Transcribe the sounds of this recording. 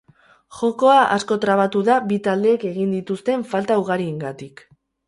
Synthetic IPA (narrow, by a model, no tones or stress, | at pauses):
ʝo̞ko̞aʔa̰sko̞t̪ɾaβ̞at̪uðabit̪ald̪e̞ːke̞ɣind̪it̪ust̪e̞ɱfalt̪auɣaɾieŋɡat̪ik